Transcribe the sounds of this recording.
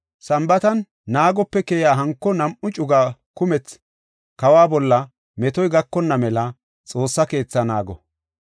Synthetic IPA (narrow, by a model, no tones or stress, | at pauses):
sɐmbɐt̪ɐnː | aːɡɔpːɛkɛjaːɦɐŋkːɔnɐmʔʊt͡ʃʼʊɡaːkʊmɛt͡s | kɐwaːbɔlːɐ | mɛt̪ɔjɡɐkːɔnːɐmɛlɐ | t͡sʼo̞ːsːɐke̞ːt͡sːɐnaːɡɔ